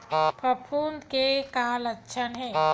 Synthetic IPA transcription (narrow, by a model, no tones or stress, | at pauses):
pəpʰuːnd̪kekaːlətːʃʰənɦɛ̃ː